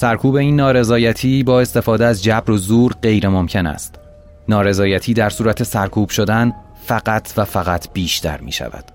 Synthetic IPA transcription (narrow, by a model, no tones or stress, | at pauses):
sæɾkʰuːbe̞iːnːɒːɾe̞zɒːjæt̪ʰiːbɒːe̞st̪e̞fɒːd̪eæzd͡ʒæbɾozuːɾɢe̞jɾe̞momcʰe̞næ̰st̪ | nɒːɾe̞zɒːjæt̪ʰiːd̪æɾsuːɾæt̪ʰe̞sæɾkʰuːb̥ʃo̞d̪æn | fæɢæt̪ʰvæfæɣæt̪ʰb̥iːʃt̪ʰæ̰ɾmḭːʃæ̰væ̰d̪̥